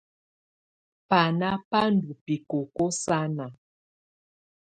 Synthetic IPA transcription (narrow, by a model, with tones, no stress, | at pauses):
pa˨na˦pa˦n˨du˨pi˨ko˨ko˦sa˦na˨